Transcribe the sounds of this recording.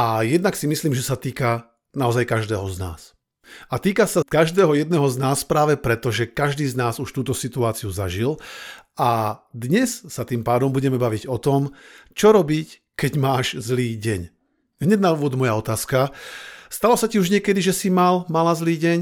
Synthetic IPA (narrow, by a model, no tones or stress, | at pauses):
ʔajɛd̪naksimisliːmʒɛsat̪iːka | naɔzajkaʒd̪ɛːɦɔzna̰ːs | at̪iːkasakaʒd̪ɛːɦɔjɛd̪̚nɛɦɔznaːspɾaːʋɛpɾɛt̪ɔʒɛkaʒd̪iːznaːzuʃt̪uːt̪ɔsit̪uaːt͡siuzaʒilad̪ɲɛssat̪iːmpaːd̪ɔmbuɟɛmɛbaʋiɟɔt̪ɔmt͡ʃɔɾɔbic | kɛɟmaːʒzliːɟɛɲ | ɦɲɛɟnauːʋɔd̪mɔjaɔt̪aːskast̪alɔsaciuʒɲɪɛkɛd̪iʒɛsimalmalazliːɟɛɲ